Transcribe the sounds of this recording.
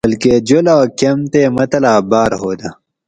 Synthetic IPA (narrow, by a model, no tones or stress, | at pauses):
ɐlked͡ʑolaːkɐmt̪eːmɐt̪ɐlaːbaːɾɦoːd̪a